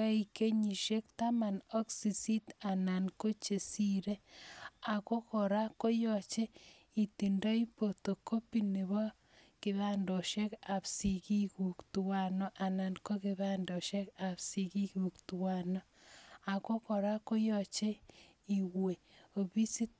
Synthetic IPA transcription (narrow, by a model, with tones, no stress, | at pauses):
a˦i˨ke˦ɲi˨ʃe˦k̚ta˦ma˨nɔ˦ksi˨si˦ta˨na˨nko˦t͡ʃe˨si˦ɾe˦a˨ko˦kɔ˨ɾa˦ko˦jɔ˦˨t͡ʃe˦ | i˨ti˨nda˦i˦po˨to˨ko˦pi˦ni˨βɔ˦ | kɪ˨βa˦ndɔ˨ʃe˦ka˨psi˨ki˦ku˨ktu˨wa˨nɔ˦ʔa˨na˨nko˦ki˨βa˦ndɔ˨ʃɛ˦ka˨psi˨ki˦ku˨ktu˨wa˨nɔ˦a˨ko˦kɔ˨ɾa˦ko˦jɔ˨t͡ʃe˦ | i˨we˨o˨bi˦si˦t